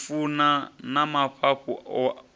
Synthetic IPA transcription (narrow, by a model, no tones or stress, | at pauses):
funanamapʰaɸʰuɔ